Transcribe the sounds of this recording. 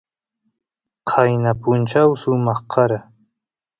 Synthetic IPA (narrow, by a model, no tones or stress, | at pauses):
qʰɑjnapʊnt͡ʃawsʊmɑχqʰɑɾa